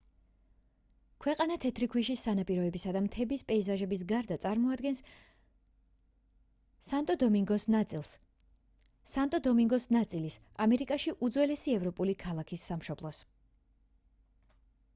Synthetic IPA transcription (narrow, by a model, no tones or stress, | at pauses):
kʰwɛqʼanat̪ʰɛt̪ʰɾikʰwiʃisːanapʼiɾɔɛbisad̪amt̪ʰɛbispʼɛizaʒɛbis̬ɡaɾd̪at̪sʼaɾmɔad̪ɡɛns | sant̪ʼɔd̪ɔmiŋɡɔsnat̪sʼilˠs | sant̪ʼɔd̪ɔmiŋɡɔsnat̪sʼilis | amɛɾikʼaʃiʔud̪zwɛlɛsiɛvɾɔpʼulikʰalˠakʰisːamʃɔblˠɔs